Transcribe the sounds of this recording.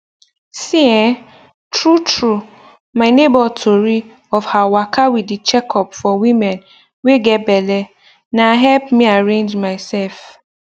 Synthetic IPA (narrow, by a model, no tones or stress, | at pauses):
siɛ | tʰɹutʰɹu | mãɪnebɔltʰoɾi | ɔfhawakʰawidit͡ʃɛkʰɔpfɔwĩmɛ̃n | weɡɛbɛlɛ | nãaɦɛlpmĩaɹẽnd͡ʒmãɪsɛlf